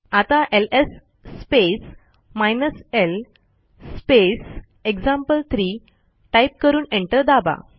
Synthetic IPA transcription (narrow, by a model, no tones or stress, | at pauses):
at̪ãʔelesː | pes | majnəsel | spes | ekd͡zãmpəlt̪ʰɾiː | ʈajp̚kəɾuːnẽɳʈəɾd̪aba̰